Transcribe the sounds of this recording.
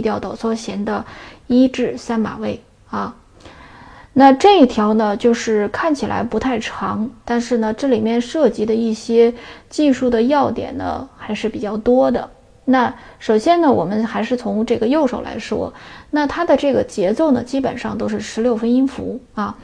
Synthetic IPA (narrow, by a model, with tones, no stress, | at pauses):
t̪jɑ˥˧ʊt̪ɑ˥˩ʊt͡sʰwɔ˥ɕjɛ˧˥nd̪ə˧i˥ʈ͡ʂɻ̩˥˩sa˥nma̰˨˩we˥˩ɪ | a˥˧ | na˥˧ʈ͡ʂɤ˥˧i˥˩t̪ʰjɑ˧˥ʊnə˧t͡ɕjo˥˧ʊʂɻ̩˥˩kʰa˥˩nt͡ɕʰi˨˩lʔa̰˧˥ɪpu˧˥t̪ʰa˥˩ɪʈ͡ʂʰɑ˧˥ŋt̪a˥˧nʂɻ̩˥˩nə˩ʈ͡ʂɤ˥˩li˨˩mjɛ˥˧nʂɤ˥˩t͡ɕi˧˥d̪ə˧i˥˩ɕjɛ˥t͡ɕi˥˧ʂu˥˩d̪ə˩jɑ˥˩ʊt̪jɛ̰˨˩nnə̰˦xa˧˥ɪʂɻ̩˥˩pi˨˩t͡ɕjɑ˥˩ʊt̪wɔ˥d̪ə̰˨ | na˥˩ʂo˨˩ʊɕjɛ˥nnə˨wɔ̰˨˩mə˦nxa˧˥ɪʂɻ̩˥˩t͡sʰʊ˧˥ŋʈ͡ʂɤ˥˩ɡə˩jo˥˧ʊʂo̰˨˩ʊla̰˧˥ɪʂwɔ̰˥na˥˧˩t̪ʰa˥d̪ə˨ʈ͡ʂɤ˥˩ɡə˩t͡ɕjɛ˧˥t͡so˥˩ʊnə̰˩t͡ɕi˥pə̰˨˩nʂɑ˥˧ŋt̪o˥ʊʂɻ̩˥˩ʂɻ̩˧˥ljo˥˩ʊfə˥ni˥ŋfṵ˧˥a˥˩